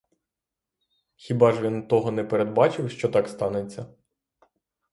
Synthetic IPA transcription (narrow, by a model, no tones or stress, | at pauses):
xʲibɑʒʋʲint̪ɔɦɔnɛpeɾed̪̚bɑt͡ʃɪwʃt͡ʃɔt̪ɑkst̪ɑnet͡sʲːɐ